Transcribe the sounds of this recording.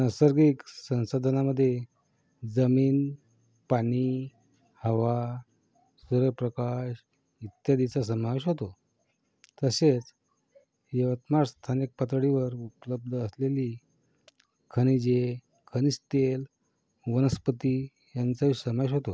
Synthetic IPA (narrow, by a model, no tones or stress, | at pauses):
nəsəɾɡiksə̃w̃sad̪ʱənaməd̪ʱːje | d͡zəmiːn | paɽ̃i | həʋa | suɾəpɾəkaʂ | it̪jad̪it͡sas̬əmaʋeɕ̬ɦot̪o | t̪əset͡s | jəʋət̪maɾst̪ʰanik̚pət̪ɽiʋəɾupləb̚d̪ʱəəsleli | kʰəñid͡ʑe | kʰəñist̪el | ʋənəspət̪i | jant͡saisəmaʋeɕ̬ɦot̪o